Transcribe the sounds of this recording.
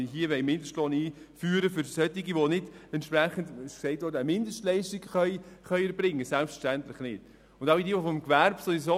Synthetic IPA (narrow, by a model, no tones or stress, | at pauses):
ɦiəʋɛɪmɪndəʃtlɔniː | fyːɾəfʏɾsœt̪ːɪɡiʋonɪdɛntpɾæχəndsɛɪtʋoːɾdæmɪndəʃtlɛɪʃtiɡχœʏχœɥɛɾbɾɪŋːəsælpfə̥ʃtænt̪lɪχnɪd̥ | ʊndaʊidiəʋofɔmkʋæɾb̥soiso